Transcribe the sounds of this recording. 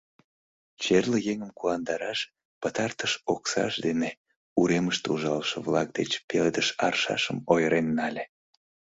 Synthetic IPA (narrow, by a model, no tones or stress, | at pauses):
t͡ɕerləjeŋəmkulɑnd̪ɑɾɑʃ | pət̪ɑrt̪əʃoksɑ̰ʃd̪ene | uɾeməʃt̪uʒɑlʃə̆vlɑk̚d̪et͡ɕpeled̪əʃɑ̰rʃɑ̰ʃəmojəɾʔenːɑlʲe